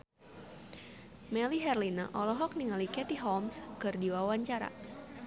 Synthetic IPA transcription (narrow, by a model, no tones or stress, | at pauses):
mɛliɦɛrlina̰ʔɔlɔɦɔk̚niŋalikɛt̪iɦɔlmskɨrdiwawaɲt͡ʃaɾa̰